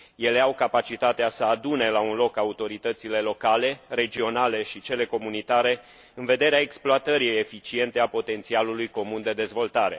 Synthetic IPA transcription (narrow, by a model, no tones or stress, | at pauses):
je̞le̞awkapat͡ʃit̪at̪easəad̪une̞launlo̞kaut̪o̞ɾit̪ət̪sile̞lo̞kale̞re̞d͡ʒio̞nale̞ʃit͡ʃe̞le̞ko̞munit̪aɾe̞ | ɨnve̞d̪eɾeaeksploat̪əɾiejefit͡ʃie̞nt̪e̞apo̞t̪e̞nt̪sialulujko̞mund̪e̞d̪e̞zvo̞lt̪aɾe̞̰